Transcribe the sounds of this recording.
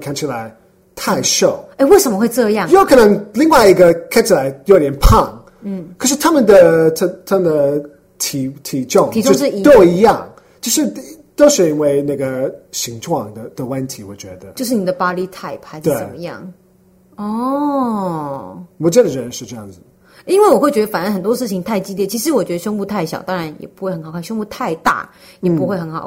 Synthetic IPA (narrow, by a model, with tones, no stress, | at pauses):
kʰa˥nt͡ɕʰi˧˥la˧˦ɪ | t̪ʰa˥˧ɪʂo˥˨˩ʊe˥˧ɪwe˥˩ɪʂə˧˥mə˦xwe˧ʈ͡ʂɤ˥˧jɑ˥˩˨ŋjo˥˩ʊkʰɤ˨˩nə˧˦˥ŋli˥˧ŋwa˥˩ɪi˧˥ɡə˧kʰa˥nt͡ɕʰi˨la˧˥ɪjo˧ʊt̪jɛ˧˥npʰɑ˥˩ŋ̩˥˩ | kʰɤ˧ʂɻ̩˥˩t̪ʰa˥mə˨nd̪ə˨t̪ʰə˥˧t̪ʰa˥mə˨nd̪ə˨ | t̪ʰi˧˥t̪ʰi˧˥ʈ͡ʂʊ˥˩ŋi˧o˥˧˥t̪o˥ʊi˧˥jɑ˥˩ŋ | t͡ɕjo˥˧ʊʂɻ̩˥˧˥ | t̪o˥ʊʂɻ̩˥˩i˥nwe˥˧ɪna˥˩ɡə˩ɕi˧˥ŋʈ͡ʂʰwɑ˥˩ŋd̪ə˩d̪ə˩wa˥nt̪ʰi˧˥wɔ˨˩t͡ɕɥɛ˧˥d̪ə˧o˥˧ʊʂɻ̩˥˩ni˨˩d̪ə˦˧pa˥li˥t̪ʰa˥˩ɪpxa˧˥ɪʂe˧˩t͡sə̰˨˩mə˦jɑ̰˥˩ŋ | ɔ˥˩ | mɔ˧˥t͡ɕjɛ˥˩d̪ə˨˩ɻə˧˥nʂɻ̩˥˧ʈ͡ʂɤ˥˧jɑ̰˥˩ŋd͡zɹ̩˩ | i˥nwe˥˩ɪwɔ˨˩xwe˥˩ɪt͡ɕɥɛ˧˥ə˧fa˨˩nə˧˥xə˨˩nt̪wɔ˥ʂɻ̩˥˩t͡ɕʰi˨˩ŋt̪ʰa˥˩ɪt͡ɕi˥ljɛ˥˩t͡ɕʰi˧˥ʂ̬ɻ̩˧˥wɔ˨˩t͡ɕɥɛ˧˥d̪ə˧ʂə˥ŋpu˥˧t̪ʰa˥˩ɪɕjɑ˨˦ʊt̪ɑ˥ŋɻa˧˥njɛ̰˨˩pu˧˥xe˥˩ɪxə˧˥nxkʰnʂo˥ŋpu˥˧t̪ʰa˥˧ɪt̪a̰˥˩ | jɛ˨˩pu˧˥xwe˥˩ɪxə˧˥nxɑ̰˨˩ʊ